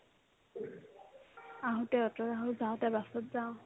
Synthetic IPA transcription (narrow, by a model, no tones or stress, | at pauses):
aɦɔtɛɔtɔɹaɦʊzaʊ̃tɛbasɔtzaʊ̃